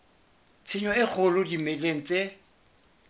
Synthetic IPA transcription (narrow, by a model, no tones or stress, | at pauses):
t͡sʰɪɲɔɪk͡xʰʊlʊdimeleŋ̩t͡se